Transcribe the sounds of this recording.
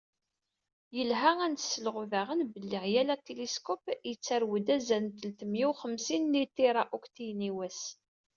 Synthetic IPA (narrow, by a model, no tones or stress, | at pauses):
jəlɦæænt̪ə̥sːəlʁʊvæʁənbəlːɪʁjælæt̪ːeliskɔpjət͡sːæɾwəd̪æzænt̪əlt̪əmjiwχəmsinːit̪iɾˤaʔokt̪ijniwæs